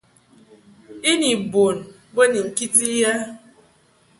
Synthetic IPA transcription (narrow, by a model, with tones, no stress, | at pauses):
i˦ni˨bo˨n̩˨ | ɡ͡be˦ni˨ŋ̩˨ki˦ti˦ja˦